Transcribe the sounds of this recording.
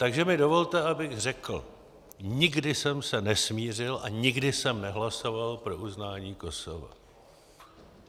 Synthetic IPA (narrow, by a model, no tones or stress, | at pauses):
t̪aɡʒɛmɪdo̞vo̞lt̪ɛabɪɣr̝ɛkl̩ | ɲɪɡdɪsɛmsɛnɛsmiːr̝ɪlʔaɲɪɡdɪsɛmnɛɦlaso̞valpɾo̞uznaːɲiːko̞so̞̰va̰